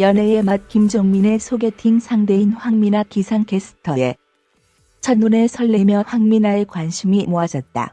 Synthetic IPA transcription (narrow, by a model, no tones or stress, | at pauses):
jʌnɦe̞emat̚kimd͡ʑoŋmine̞sʰoɡe̞tʰiŋsʰaŋde̞inɸwaŋminakisʰaŋke̞s͈ʰɯ̥tʰʌje̞ | t͡ɕʰʌnːune̞sʰʌɭːe̞mjʌɸwaŋminaekwanɕʰimimoad͡ʑʌt̚t͈a̰